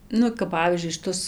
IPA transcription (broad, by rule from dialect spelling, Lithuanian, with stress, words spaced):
ˈnʊ kɐp ˈpɑːʋʲiːzʲd͡ʒʲʊɪ ʃʲɪˈtʊs